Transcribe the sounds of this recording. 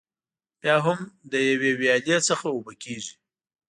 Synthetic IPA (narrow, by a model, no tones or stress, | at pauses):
bjɑɦʊmd̪əjawewjɑljesəxaobakeʒi